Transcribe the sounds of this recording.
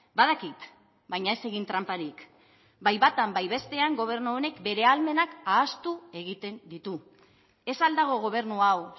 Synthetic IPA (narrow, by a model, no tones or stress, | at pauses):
baðakit̪ | bajɲae̞se̞ɣint̪ɾampaɾik | bajβat̪ambajβe̞st̪e̞aŋɡo̞β̞e̞ɾnuone̞kbe̞ɾe̞alme̞nakaːst̪ue̞ɣ̞it̪e̞nd̪it̪u | e̞sald̪aɣ̞o̞ɣ̞o̞β̞e̞ɾnuaw